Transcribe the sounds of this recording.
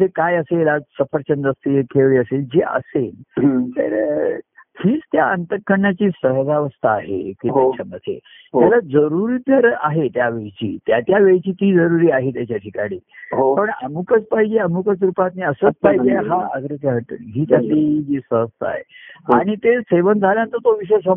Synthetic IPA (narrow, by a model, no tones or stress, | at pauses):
d͡zekajəselasəfəɾt͡ɕənd̪əst̪iekʰeɭʋiːəseld͡ʑeʔə̰selt̪ḛɾ | hiːt͡st̪jaənt̪əkːəɳat͡ɕiːsəɦd͡zaʋəst̪aːɦḛk̪iikt͡ɕʰəməsḛ | tjalad͡zəɾuɾiːt̪əɾaɦet̪jaʋeɭt͡ɕḭːt̪jat̪jaʋeɭit͡ɕiːt̪iːd͡zəɾuɾiːaɦet̪jat͡ɕjaʈʰikaɽ̃iːɦopəɳə̰mukət͡spaɦid͡ʑeəmukət͡sɾupat̪neəsəːt͡spaɦjd͡ʑeɦaəɡɾet͡ɕaɦət̪əɦiːt̪atlid͡ʑiːsəɦəst̪aa̰ɦḛaɽ̃it̪eseʋənd͡zʱaljãnt̪əɾt̪oʋiɕ̬əsə